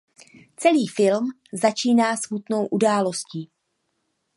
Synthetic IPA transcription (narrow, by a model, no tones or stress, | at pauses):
t͡sɛliːfɪlm | zat͡ʃiːnaːsmut̪no̞wʔudaːlo̞sciː